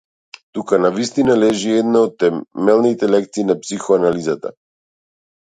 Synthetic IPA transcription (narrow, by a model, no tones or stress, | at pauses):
t̪ukanavist̪inalɛʒiɛd̪naɔt̪ːɛmɛlˠnit̪ɛlɛk̚t̪siːnapsixɔanalizat̪a̰